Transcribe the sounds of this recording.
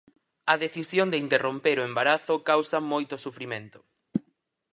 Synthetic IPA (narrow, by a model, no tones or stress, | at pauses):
ɐðeθisjoŋd̪eint̪erompeɾoembaɾaθʊkawsɐmojt̪ʊsufɾimẽnt̪ʊ̥